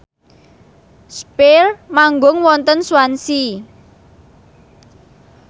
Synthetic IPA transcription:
spermaŋɡʊŋwɔnt̪ənswansi

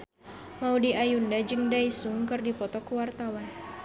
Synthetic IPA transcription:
maudiajundad͡ʒɨŋdaisuŋkɨrdipɔt̪ɔkuwart̪awan

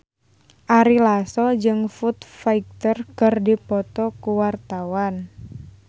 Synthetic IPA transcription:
ʔaɾilasɔd͡ʒɨŋfut̪faik̚t̪ərkɨrdipɔt̪ɔkuwart̪awan

